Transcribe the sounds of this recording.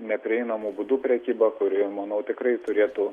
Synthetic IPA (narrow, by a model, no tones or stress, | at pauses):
nʲɛpʲɾʲɪɛɪnɐmuːbʊd̪uːpʲɾʲɛkʲiːbɐkʊɾʲɪmɐnɐʊt̪ʲɪkrɐɪt̪ʊɾʲeːt̪ʊ